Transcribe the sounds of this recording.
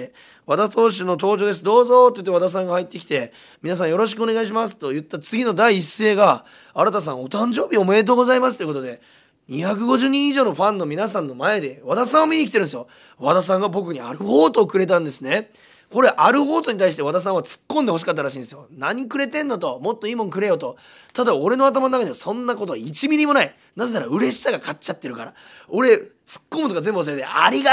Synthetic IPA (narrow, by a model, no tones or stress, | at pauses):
βad̪at̪o̞ːɕ̬ino̞t̪o̞ːd͡ʑo̞ːd̪e̞s̬ɨd̪o̞ːzo̞t̪ːojɯ̟t̪ːe̞ad̪as̬ãŋɡahait̪ːe̞kʲi̥t̪e̞ | mʲinas̬ãɰ̃jo̞ɾo̞ɕ̬i̥kɯ̟o̞ne̞ɡaiɕ̬imasɨ̥t̪o̞jɯ̟t̪ːat͡sɨɡʲino̞d̪aiːsːe̞ːɡa | aɾat̪as̬ãɰ̃ot̪ãɲ̟d͡ʑo̞ːbʲio̞moe̞t̪̬oɡo̞zaimas̬ɨ̥oikot̪od̪e̞ | ɲ̟içak̬ɯ̟ɡo̞ʑɨːɲ̟ĩiʑo̞ːno̞ɸãnːo̞mʲinasãnːo̞mae̞d̪e̞βad̪asãɰ̃βamʲiɲikʲit̪eɾɯ̃nesɨjo | βat̪as̬ãŋ̃ɡabo̞kɯ̟ɲ̟iaɾɯ̟ho̞ːt̪oːkɯ̟ɾe̞t̪̬ãnd̪e̞sɨne̞ | ko̞ɾe̞ʔaɾɯ̟ho̞ːt̪o̞ɲit̪aiɕit̪e̞β̞at̪as̬ãɰ̃βat͡sɨ̥kːõnd̪e̞ho̞ɕ̬i̥kat̪ːaɾaɕĩnd̪esɨjonaɲ̟ikɯ̟ɾe̞t̪ẽ̞nːot̪o̞mo̞t̪ːoimõ̞ɲk̬ɯ̟ɾe̞jo̞t̪o̞ | t̪ad̪ao̞ɾe̞no̞at̪̬amanonakaɲeβasõ̞nːako̞t̪o̞it͡ɕimʲiɾʲimo̞nai | naze̞naɾaɯ̟ɾe̞ɕi̥saɡakat͡ɕːat̪ːe̞ɾɯ̟kaɾa | o̞ɾe̞ | t͡sɨ̥kːo̞mɯt̪oɡazẽ̞mbɯaseɾd̪eʔaɾʲiɡ